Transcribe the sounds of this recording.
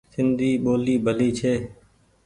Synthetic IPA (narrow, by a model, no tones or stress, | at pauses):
sɪnd̪ʱiːɓoːliːbʱəliːt͡ʃʰeː